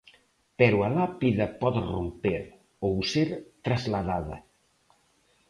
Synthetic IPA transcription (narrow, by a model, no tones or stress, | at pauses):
pɛɾualapiðɐpɔðrompeɾ | owseɾt̪ɾazlaðaðɐ̰